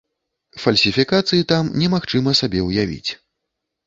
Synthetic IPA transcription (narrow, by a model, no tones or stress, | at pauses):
fɐlʲsʲifʲikat̪sɨjit̪amnʲɛmaxt͡ʂɨmɐsabʲɛwjavʲḭt͡sʲ